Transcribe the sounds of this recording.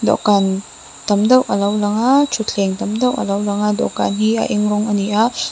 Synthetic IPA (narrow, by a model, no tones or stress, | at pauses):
dɔ̰kan | tɐmdɐwʔɐlawlɐŋat͡ʃʰutʰeŋtɐmdɐwʔɐ̰lawlɐŋadɔ̰ka̰nɦia̰ʔiŋɾɔŋɐnia